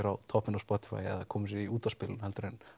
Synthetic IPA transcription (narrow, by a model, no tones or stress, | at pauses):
ɪɾawt̪ʰɔpːɪnawspɔt̪ɪ̥fa̰jɛ̰ðakʰɔːmɪs̬ɪiuːt̪aspɪːlɪnhɛlt̪ʏɾɛn